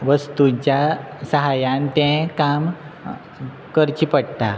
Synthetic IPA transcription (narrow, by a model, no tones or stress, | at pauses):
ʋəst̪ut͡ɕjasəɦajãnt̪ɛ̃kam | kəɾt͡ɕipəɽt̪a̰